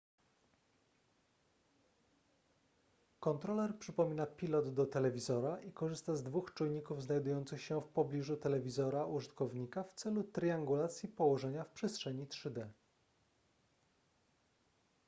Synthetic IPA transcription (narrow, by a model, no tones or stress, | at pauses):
kɔnt̪ɾɔlɛɾpʂɘpɔmʲinapʲilɔd̪d̪ɔt̪ɛlɛvʲizɔɾaʔikɔʐɘst̪azd̪vuxt͡ʂujɲikuvznajd̪ujɔnt̪sɘxɕɛfpɔblʲiʐut̪ɛlɛvʲizɔɾaʔuʐɘt̪kɔvɲikaft̪sɛlut̪ɾʲiaŋɡulat̪sʲjipɔwɔʐɛɲafpʂɛstʂɛɲitʂɘd̪ɛ